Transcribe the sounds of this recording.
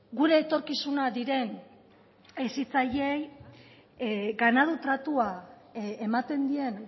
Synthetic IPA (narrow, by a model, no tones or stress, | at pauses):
ɡuɾe̞ːt̪o̞ɾkisunad̪iɾe̞n | esit͡saʎe̞j | ɡanað̞ut̪ɾat̪ua | emat̪e̞nd̪ie̞n